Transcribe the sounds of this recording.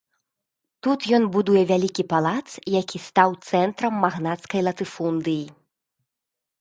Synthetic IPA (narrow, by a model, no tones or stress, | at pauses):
t̪ut̪jɔnbud̪ujɛvʲalʲikʲipalˠat̪sjakʲist̪awt̪sɛnt̪ɾɐmːaɣnat̪skɐjlˠɐt̪ɨfund̪ɨji